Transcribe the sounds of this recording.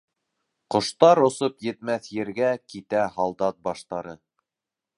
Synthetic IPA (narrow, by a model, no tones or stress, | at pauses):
qŏʃt̪ɑɾŏsopjɘ̆t̪mæθjɘ̆ɾɡækit̪æhɑlˠd̪ɑt̪̚bɑʃt̪ɑɾɤ